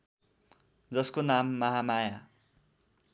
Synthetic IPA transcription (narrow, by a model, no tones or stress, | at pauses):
d͡zʌskonamːʌɦamaja